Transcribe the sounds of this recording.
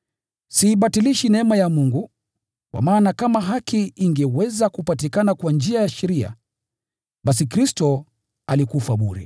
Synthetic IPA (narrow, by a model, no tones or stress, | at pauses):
siːɓatiliʃinɛmajamuŋɡu | kwa̰maːnakamaɦakiiŋɡɛwɛzakupatikanakwand͡ʒiajaʃɛɾia̰ | ɓasikɾistɔ | alikufaɓuɾḭ